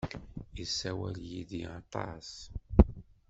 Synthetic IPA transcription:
jəsːæwæljiðjət̪ˤɑ̰s

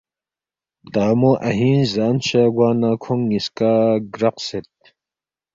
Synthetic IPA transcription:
t̪aːmoʔɐ̰ɦiːnzaːnɕaːɡwaːnakʰuŋːiskaːɡɾɐqset̪̚

